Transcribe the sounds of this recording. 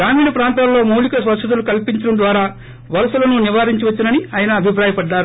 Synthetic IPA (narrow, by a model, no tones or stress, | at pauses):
ɾaːmiːɽɐpɾaːnt̪aːllo̞ːmɐwlikɐsʋɐʂɐd̪ulukɐlpiɲt͡ʃɐɽɐmd̪ʋaːɾaː | ʋɐɾɐsɐlɐnuniʋaːɾiɲt͡ʃiʋɐt͡ʃːinɐniaːjɐnɐːbʱipɾaːjɐpɐɖːaːɾu